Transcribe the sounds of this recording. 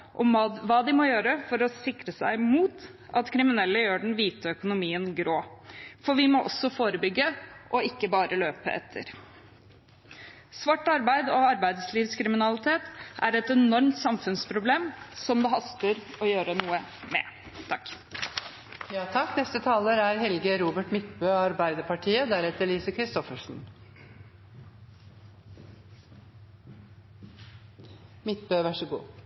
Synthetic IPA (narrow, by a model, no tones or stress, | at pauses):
ʔɔmʋɑːd̪ɪmɔjøːɾəfɔɾɔsɪkɾəsæɪmuːt̪ | ʔɑt̪kʰɾɪmɪnɛlːəjøːɖɛɳn̩ʋiːt̪əœkʊnʊmiːənɡɾoːfɔɾʋɪmɔʔɔ̰sːɔfoːɾəbʏɡːəʔɔɪkːəbɑːɾʔəløːpə̰ʔɛ̰t̪ʰːə̰ɾ | sʋɑʈːɑɾbæɪd̪ɔɑɾbæɪd̪sliːʋskʰɾɪmɪnɑlɪt̪ʰeːt̪æɾɛt̪ɛnɔɾmt̪sɑmfʉnspʰɾʊbleːmsɔmd̪ɛːɦɑst̪əɾɔjøːɾənuːəmɛ̰ | t̪ʰɑk | jɑːt̪ʰɑkːnɛst̪ət̪ʰɑːləɾæɾɦɛlɡəɾuːbəʈmɪt̪bøːɑɾbæɪd̪əpʰɑʈʰiːəd̪æɾɛt̪əɭiːsəkʰɾɪst̪ɔfəʂn̩ | mɪt̪̚bøːʋæʂəɡṵː